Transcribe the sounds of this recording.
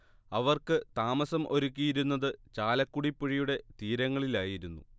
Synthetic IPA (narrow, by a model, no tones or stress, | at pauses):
ɐʋɐrkɨt̪aːmɐsɐmʔo̞ɾukʲːijiɾunːɐðɨt͡ɕaːlɐkːuɽipːiɻijuɽe̞t̪iːɾɐŋːɐɭilaːjiɾunːṵ